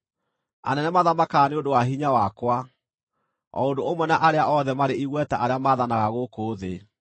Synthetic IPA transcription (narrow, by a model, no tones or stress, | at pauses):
a̰nɛnɛmaðamakaːneondowaɦiɲawakwa | ɔ̰ondoomwɛnaʔaɾeaʔɔðɛmaɾeiɣwɛtaʔaɾeamaðanaɣaɣokoːðe